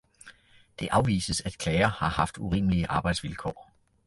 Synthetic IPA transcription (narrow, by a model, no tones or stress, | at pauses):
d̥e̝ʔɑ̈ʊʋḭːsəsæd̥kʰlɛɪɐhɑ̈hɑ̈fd̥uʁḭːməliəʔɑ̈ːb̥ɑ̈ɪd̥sʋilkʰɒ̰ː